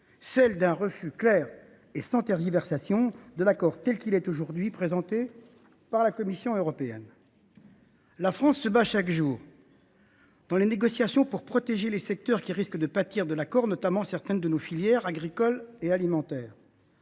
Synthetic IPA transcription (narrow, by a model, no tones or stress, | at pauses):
sɛld̪ɛ̃ʁəfyklɛːʁ | esɑ̃t̪ɛʁʒivɛʁsasjɔ̃d̪əlakɔʁt̪ɛlkʲilɛt̪oʒuʁd̪ɥipχezɑ̃t̪e | paʁlakɔmisjɔ̃øʁɔpeɛ̰n | lafχɑ̃sːəbaʃakʒuːʁ | d̪ɑ̃leneɡɔsjasjɔ̃puʁpχɔt̪eʒelesɛk̚t̪œʁkʲiʁiskd̪əpat̪iʁd̪əlakɔʁnɔt̪amɑ̃sɛʁt̪ɛnd̪ənofiljɛʁaɡʁikɔlealimɑ̃t̪ɛːʁ